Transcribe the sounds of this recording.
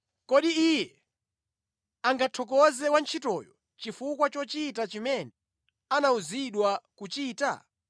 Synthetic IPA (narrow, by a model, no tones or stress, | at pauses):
kɔɗiijɛ | aŋɡatʰɔk̬ɔzɛwant͡ʃʰitɔjɔ | t͡ʃifukwat͡ʃɔt͡ʃitat͡ʃimɛnɛ | anauziɗwakut͡ʃiːta̰